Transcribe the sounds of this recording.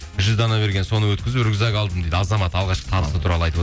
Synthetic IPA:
ʒʏzd̪ɑnɑbe̞ɾɡʲe̞nso̞nəwɵt̪kʲɪzʏɾɡʲɪzɑɡɑlˠd̪əmd̪ejd̪ɪɑzɑmɑt̪ɑlˠʁɑʃqə̥t̪ʰɑbəst̪ət̪ʰuɾɑlˠəɑj̪əbo

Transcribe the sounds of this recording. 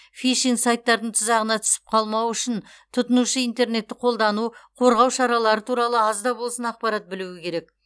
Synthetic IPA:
fijʃiŋsɑjt̪ːɑɾd̪əɴt̪ʰɪzɑʁənɑt̪ʰʏ̥sɪ̥p̚qʰɑlˠmɑwʏʃɪn | t̪ʰʊt̪ənuʃəijnt̪e̞ɾne̞t̪ːɪqʰo̞lˠd̪ɑnuqʰo̞ɾʁɑwʃɑɾɑlˠɑɾət̪ʰuɾɑlˠəɑzd̪ɑbo̞lˠsənɑq̚pɑɾɑt̪̚bɪluwɪkʲʰe̞ɾe̞k

